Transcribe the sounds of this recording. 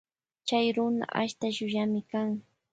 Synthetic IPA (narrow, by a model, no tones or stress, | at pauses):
t͡ʃajɾʊna̰ʔa̰ʃt̪aʃʊjamɪkaŋ